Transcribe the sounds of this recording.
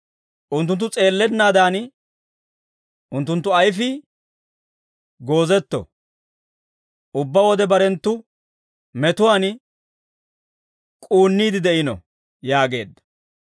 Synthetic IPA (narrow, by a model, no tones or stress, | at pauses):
ʔʊnt̪ːʊnt̪̬ːʊt͡sʼe̞ːlːɛnːaːd̪aːn | ʊnt̪ːʊnt̪ːʊɐjfɪ | ɡo̞ːzɛt̪ːɔ̰ | ʔʊbːawɔd̪ɛbɐɾɛnt̪ːʊ | mɛt̪ʊwaːn | kʼuːnːiːd̪ɪd̪ɛʔɪnɔ̰ | jaːɡe̞̰ːd̪ːɐ̥